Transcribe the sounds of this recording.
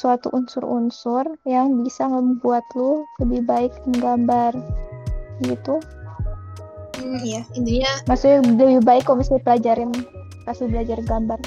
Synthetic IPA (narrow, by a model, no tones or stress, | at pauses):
suat̪ṵʔunsʊrunsʊrjaŋbisaŋəbuat̪loləbɪhbaɪknɡambar | ɡit̪u | m̩ijainiɲamasuk̚ɲaləbɪbaɪkːamasdipəlad͡ʒaɾɪn | kasɪbəlad͡ʒarɡambar